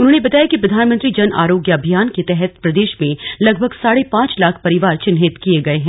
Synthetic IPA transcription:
ʊnɦõːnebɐt̪aːjakipɾɐd̪ʱaːnmə̃nt̪ɾid͡ʒɐna̰ːɾoːɡjəɐbʱijaːnket̪ɛɦɛt̪pɾɐd̪eːʃmẽlɐɡ̚bʱəɡsaːɽepãːt͡ʃlaːkʰpɐɾɪʋaːɾt͡ʃɪnɦɪt̪kieɡɐeɦɛ̃ː

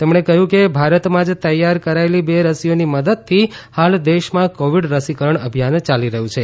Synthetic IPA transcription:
t̪ɛmɳekəɦjũkebʱaɾət̪mãd͡ʒt̪əjaɾkəɾaelibeɾəsijoniməd̪əd̪̚t̪ʰːihald̪eʃmãkoʋiɖɾəsikəɾəɳəbʱjant͡ʃaliɾəɦũt͡ʃʰe

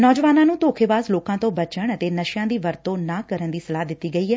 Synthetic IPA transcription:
nɔːd͡ʒʋaːnãːnũːt̪oːkʰeːʋaːzloːkãːt̪õːbət͡ʃəɳət̪eːnəʃjãːd̪iːʋəɾt̪õːnaːkəɾənd̪iːsəlaːɦd̪ɪt̪ːiːɡəiːɛː

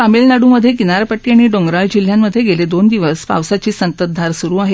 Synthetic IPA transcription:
pamilnaɽuːməd̪ʱjekinaɾpəʈːiːaɽ̃iɖoŋɡɾald͡ʑil̤jamːəd̪ʱjeɡeled̪ond̪iʋəsspa̰ʋsat͡ɕiːsənt̪əd̪ʱaɾsuɾuːaɦe

